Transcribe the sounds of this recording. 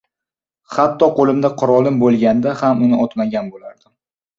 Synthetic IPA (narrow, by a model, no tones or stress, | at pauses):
χat̪ʰːɒqʰolˠɪmd̪aqʰʊɾɒlˠɪmbolˠɡʲand̪ahamʊnɪʔɒt̪maɡʲanbolaɾd̪ɪ